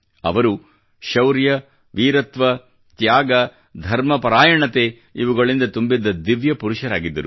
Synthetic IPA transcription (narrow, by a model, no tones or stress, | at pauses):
ɐ̰ʋɐɾu | ʃɐwɾjɐ | ʋiːɾɐt̪ʋɐ | t̪jaːɡɐ | d̪ʱɐɾmɐpɐɾaːjɐɳɐt̪eː | iʋuɡɐɭind̪ɐt̪umbid̪ːɐd̪iʋjɐpuɾuʃɐɾaːɡid̪ːɐɾu